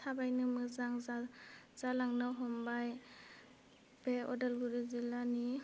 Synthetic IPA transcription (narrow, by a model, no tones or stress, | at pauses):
tʰabajnɯmɯzaŋzaz̥alaŋnɯɦɔmbaj | b̥eɔ̰delɡuɾizilːani